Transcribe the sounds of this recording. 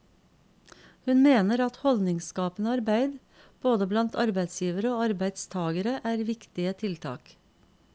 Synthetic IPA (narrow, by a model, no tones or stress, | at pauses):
hʉnmeːnəɾɑt̪hɔld̪nɪŋskɑːpənəɑɾbæɪd̪ | b̥oːd̪əblɑnt̪ʰɑɾbæɪd̪sjiːʋəɾəoːɑɾbæɪd̪st̪ʰɑːɡəɾəʔæːɾʋɪkt̪ɪət̪ʰɪlt̪ʰɑ̰ːk